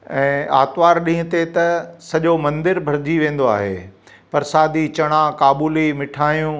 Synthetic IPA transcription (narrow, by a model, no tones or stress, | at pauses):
ɛ̃ːaːt̪ʋaːɾɗĩːɦʊ̃t̪et̪ɐsɐʄomɐ̃nd̪ɪɾbʱɐɾɪd͡ʑiʋẽːn̆d̪oa̰ːɦḛː | pɐɾsaːd̪it͡ɕɐɽ̃akaːɓuːlimɪʈʰaːjũː